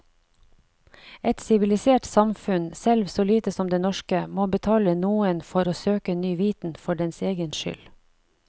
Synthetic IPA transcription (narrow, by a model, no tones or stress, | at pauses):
ɛt̪sɪʋɪlɪseːʈsɑmfʉnsɛlʋsoːliːt̪əsɔmd̪eːnɔʃkəmoːbət̪ʰɑːlənuːənfɔɾoːsøːkənyːʋiːt̪n̩fɔɖɛnseːɡənʃʏ̰l